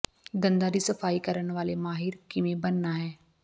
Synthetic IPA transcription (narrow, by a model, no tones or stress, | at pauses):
d̪ɐ̃nd̪aɾisɐfaːikɐɾənʋaːlemaːɦɪɾkɪmẽbɐnːaɦɛː